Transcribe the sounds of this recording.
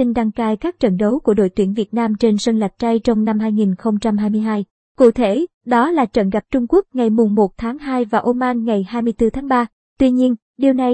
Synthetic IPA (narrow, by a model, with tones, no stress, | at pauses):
ï˧ŋɗa˧ŋkaː˧jkaː˦˥k̚t͡ɕə˧˩nɗə˨˦wku˧˩əɗo̰˧˨jt̪wi˧˩ənvi˨˩ət̚naː˧mt͡ɕe˧nsə˧nla˨˩jk̚t͡ɕa˧jt͡ɕɔ˧wŋ͡mna˧mɦaː˧jŋi˨˩nxə˧wŋ͡mt͡ɕa˧mɦaː˧jmɨ˧əjɦaː˧j | kṵ˧˩t̪ʰe˧˩ɗɔ˨˦laː˨˩t͡ɕə̰˧˩nɣa˨˩p̚t͡ɕʊ˧ŋ͡mku˦˥ək̚ŋa˨˩jmʊ˨˩ŋ͡mmo˨˩t̚t̪ʰaː˨˦ŋɦaː˧jvaː˨˩ʔo˧maː˧nŋa˨˩jhaː˧jmɨ˧əjt̪ɨ˧t̪ʰaː˨˦ŋɓaː˧ | t̪wi˧ɲi˧ən | ɗi˨˩əwna˨˩j